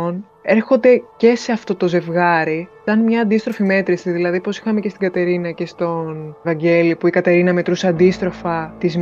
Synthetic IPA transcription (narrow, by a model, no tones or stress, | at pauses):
on | e̞ɾxo̞nd̪e̞ce̞se̞ɐft̪o̞t̪o̞ze̞vɣɐɾisɐnmɲɐːnd̪ist̪ɾo̞fime̞t̪ɾisiðilɐðipo̞si̥xɐmecest̪iɡɐt̪e̞ɾinɐce̞st̪o̞nvɐɲɟe̞lipuikɐt̪e̞ɾinɐme̞t̪ɾuseɐnd̪ist̪ɾo̞fɐt̪izm